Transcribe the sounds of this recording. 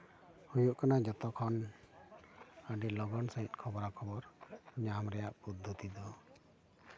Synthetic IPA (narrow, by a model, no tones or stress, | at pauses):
hujuʔkanad͡ʒɔt̪ɔkʰɔn | əɖilɔɡɔnsaɦit̪̚kʰɔbɔɾakʰɔbɔɾɲamɾɛjaʔpud̪ʱːut̪id̪ɔ